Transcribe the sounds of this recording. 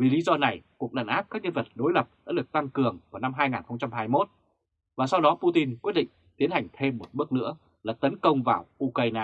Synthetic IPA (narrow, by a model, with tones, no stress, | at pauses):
vi˨˩li˨˦zɔ˧na˨˩jku˨˩ək̚ɗaː˨˩nʔaː˦˥p̚kaː˦˥k̚ɲə˧nvə˨˩t̚ɗo˨˦jlə˨˩p̚sɗa̰ː˧˥ɗɨ˨˩ək̚t̪a˧ŋkɨ˨˩əŋvaː˨˩wna˧mɦaː˧jŋaː˨˩nxə˧wŋ͡mt͡ɕa˧mhaː˧jmo˦˥t̚ | vaː˨˩sa˧wɗɔ˨˦pu˧t̪i˧nkwət̚ɗḭ˧˨ŋt̪i˨˦ənha˨˩jŋ̟t̪ʰe˧mːo˨˩t̚ɓɨ˦˥ək̚nɨ̰˧˥ə | laː˨˩t̪ə˨˦nkə˧wŋ͡mvaː˨˩wʔu˧kaː˧jnaː˧